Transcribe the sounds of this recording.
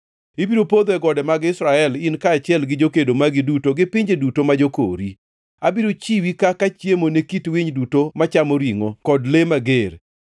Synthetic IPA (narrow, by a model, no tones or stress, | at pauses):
ibiɾopod̪ɛɡɔdɛmaɡɪsɾaɛlɪnkat͡ʃɪjɛlɡɪd͡ʒokedomaɡɪdutoɡɪpɪɲd͡ʒedutomad͡ʒoko̰ɾi | abiɾot͡ʃiwikakat͡ʃjemonekitwiɲdutomat͡ʃamoɾiŋokɔdlemaɡeɾ